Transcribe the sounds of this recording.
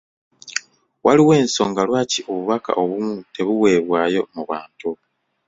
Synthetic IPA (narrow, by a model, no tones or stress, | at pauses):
wʔaliwe̞ːnso̞̰ːŋɡalwaːcioβuβaka̰ʔo̞βumute̞βuwe̞ːβwaːjo̞muβaːntu